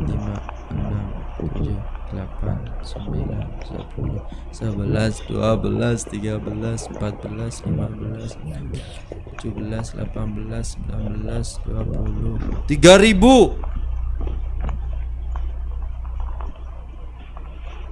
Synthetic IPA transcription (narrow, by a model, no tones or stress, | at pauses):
t̪əmaʔ | ənamt̪ud͡ʒakəlapa̰nsəmbila̰nsə̰pʰulʊsəbəlasdṵabəlast̪iɡabəlasəmpat̪̚bəlaslimanbəlas | t̪ud͡ʒubəlasla̰panbəlasəmbilanbəlasduapulʊht̪iɡaɾibu